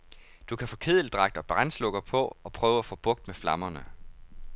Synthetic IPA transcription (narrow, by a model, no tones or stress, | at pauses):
d̥ukʰæfɔ̽ːkʰe̝ð̰ˠl̩d̥ʁɑ̈ɡ̥̚d̥ɒ̽b̥ʁanslɔ̽ɡ̥ɐpʰɒ̽ɒ̽pʰʁœːʊæfɔ̽ːb̥ɔ̽ɡ̥̚d̥meflɑ̈mɐnə